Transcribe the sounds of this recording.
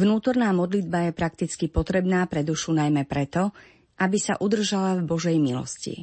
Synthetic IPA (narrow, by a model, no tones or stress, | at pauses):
vnuːt̪ɔɾnaːmɔd̪lid̪bajɛpɾak̚t̪it͡skipɔt̪ɾɛbnaːpɾɛd̪uʃunajmɛpɾɛt̪ɔ | ʔabisa̰ʔud̪r̩ʒalavbɔʒɛjmilɔ̰scḭ